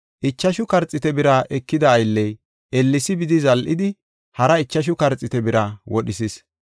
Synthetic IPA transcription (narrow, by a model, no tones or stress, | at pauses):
ʔɪt͡ʃːɐʃʊkɐɾt͡sʼɪt̪ɛbɪɾaʔɛkːɪd̪ɐːjlːɛj | ɛlːɪsɪbɪd̪ɪzɐlʔɪd̪ɪ | hɐɾɐɪt͡ʃːɐʃ̬ʊkɐɾt͡sʼːɪt̪ɛbɪɾɐwʔɔɗɪsɪs